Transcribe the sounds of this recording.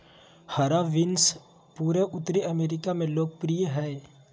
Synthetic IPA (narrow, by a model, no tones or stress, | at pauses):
hɐɾaʋɪns | puːɾeʔʊt̪ːɾiʔəmeːɾɪkamẽloːɡ̚pɾijeɦɛː